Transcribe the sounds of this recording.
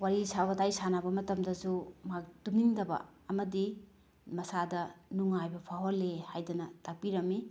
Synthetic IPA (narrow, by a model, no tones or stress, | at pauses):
waɾisaβɐdajsanabɐmɐtɐmdɐsumaktumniŋdɐbɐ̰ | ɐmɐdi | mɐsadɐnuŋajbɐpʰaɦolːehajdɐnɐtak̚piɾɐmi